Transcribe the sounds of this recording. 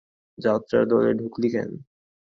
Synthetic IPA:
d͡ʑat̪ːɾa̰ɾd̪ɔleɖʱuklikʰḛn

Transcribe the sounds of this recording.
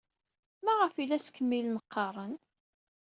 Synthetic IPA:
mæʁəfilæsə̥kːəmːilnəqːɑɾˤən

